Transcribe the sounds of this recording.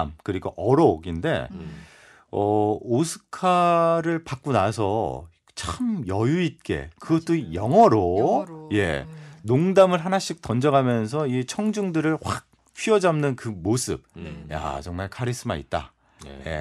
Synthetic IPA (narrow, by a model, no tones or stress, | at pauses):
mkɯɾiɡoʔʌɾʌɡinde̞̰ | ʌosʰɯ̥kʰaɾɯɭpak̚k͈onasʰʌ | t͡ɕʰamjʌjuit̚k͈e̞̰kɯɡʌt͈ojʌŋɦʌɾoje̞̰noŋdamɯɭɦanaɕ͈ik̚t͈ʌnd͡ʑʌɡamjʌns̬ʰʌit͡ɕʰʌŋd͡ʑuŋdɯɾɯɭhwak̚ | t͡ɕʰiʌd͡ʑamnɯnkɯmosʰɯ̰b̚ja̰t͡ɕʌŋmaɭkʰaɾis͈ɯma̰ḭt̚t͈a̰ | je̞̰